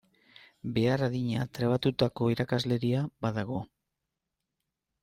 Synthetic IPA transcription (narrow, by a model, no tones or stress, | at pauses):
be̞araðiɲat̪ɾeβ̞at̪ut̪ako̞iɾakazle̞ɾiabaðaɣ̞o̞